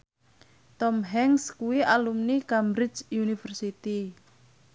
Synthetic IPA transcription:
t̪ɔmɦɛŋskuwiʔalumnikambɾɪt͡ʃjunifərsit̪i

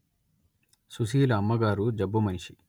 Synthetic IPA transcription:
sus̬iːlɐːmːɐɡaːɾud͡ʒɐbːɐmɐnʃi

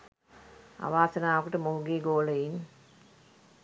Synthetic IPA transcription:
a̰ʋaːsənaːʋɐkuʈəmoɦuɡeːɡoːləin

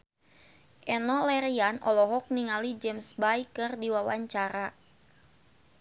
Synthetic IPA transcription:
ʔɛnɔlɛɾianʔɔ̰lɔɦɔk̚niŋalid͡ʒɛmsbajkɨrdiwawaɲt͡ʃaɾa

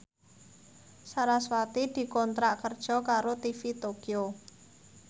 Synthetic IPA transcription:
saɾaswat̪id̪̥i̤kɔnt̪ɾaʔkərd̥ʒ̥ɔ̤kaɾot̪ifit̪okio

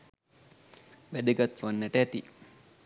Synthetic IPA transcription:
ʋæd̪əɡat̪ʋanːæʈəæt̪i

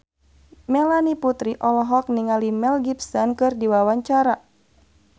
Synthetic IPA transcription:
mɛlaniput̪ɾiʔɔlɔɦɔk̚niŋalimɛlɡipsɔnkɨrdiwawaɲt͡ʃaɾa

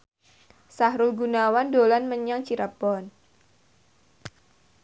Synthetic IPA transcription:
sahɾʊlɡunawandolanməɲaŋt͡ʃiɾab̥ɔn

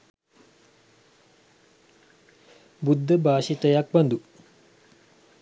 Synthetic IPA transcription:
bud̪ʱːəbaːʃit̪əjak̚bɐnd̪u

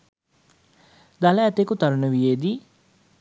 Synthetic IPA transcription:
d̪aləːt̪ekut̪aɾunəʋijeːd̪i

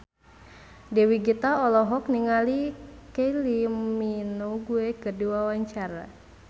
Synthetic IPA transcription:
dɛwiɡit̪aɔlɔɦɔk̚niŋalikeliminoɡuɛkərduwawaɲt͡ʃaɾa̰

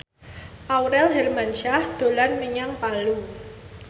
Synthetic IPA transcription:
ʔawɾɛlɦɛrmanʃahd̪̥o̤lanməɲaŋpalu

